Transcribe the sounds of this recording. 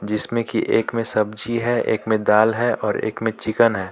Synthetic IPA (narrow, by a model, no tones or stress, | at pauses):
d͡ʒɪsmẽkiʔeːkmẽsɐbd͡ʒiɦɛʔḛːkmẽd̪aːlɦɛɔːɾḛːkmẽt͡ʃɪkənɦɛː